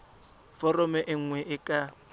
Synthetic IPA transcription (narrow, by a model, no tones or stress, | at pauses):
fɔrɔmɛʔɪŋ̩ŋwɛʔɪkʼa